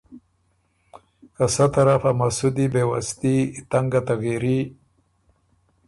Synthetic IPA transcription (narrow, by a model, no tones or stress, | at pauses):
kasat̪aɾafamasud̪ibewa̰st̪it̪aŋɡat̪aɣiɾi